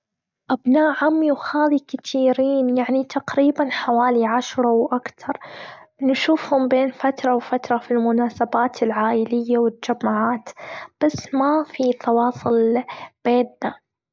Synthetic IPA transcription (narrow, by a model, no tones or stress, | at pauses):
ʔabnaːʔʕʊmːwxaːðikat̪ʰiːɾiːnjaʕnit̪ʰaqɾiːbanħawaːliʕaʃɾˤɑwʔakt̪ʰɑɾˤnʃuːfhʊmbeːnfat̪ɾˤɑwfat̪ɾˤɑfilmʊnaːsabaːt̪ʰɪlʕaːʔɪlɪjːawɪt̪ːd͡ʒamːaʕaːt̪b̥asːmafit̪ɑwɑːsˤʊlb̥eːnːa